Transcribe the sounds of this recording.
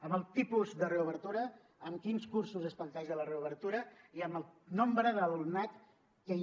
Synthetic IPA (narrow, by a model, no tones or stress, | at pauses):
əməlˠt̪ipuzd̪əreuβəɾt̪uɾə | əmkinskursuzəspənt̪aʒələreuβ̞əɾt̪uɾəiəməlˠnombɾəðəlunat̪ | kə